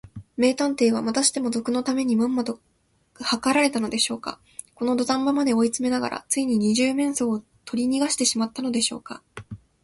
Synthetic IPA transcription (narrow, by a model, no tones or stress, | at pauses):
me̞ːt̪ãnt̪e̞ːβ̞amat̪aɕi̥t̪e̞mo̞zo̞kɯ̟no̞t̪ame̞ɲ̟imãmːad̪o̥ | hakaɾaɾe̞t̪ano̞d̪e̞ɕo̞ːka̰ | ko̞no̞d̪o̞d̪ãmːamad̪e̞o̞it͡sɨme̞naɡa̰ɾa̰t͡sɨiɲ̟iɲ̟iʑɨːmẽ̞ɰ̃so̞ː | t̪ʰo̞ɾʲiɲ̟iɡaɕi̥t̪e̞ɕimat̪ːano̞d̪e̞ɕo̞ːka̰